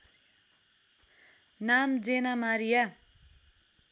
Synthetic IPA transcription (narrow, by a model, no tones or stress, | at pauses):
namd͡zenamaɾija